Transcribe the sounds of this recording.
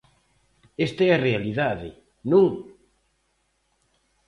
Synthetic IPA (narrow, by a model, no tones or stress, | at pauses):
est̪aɛarealiðaðɪ | nũŋ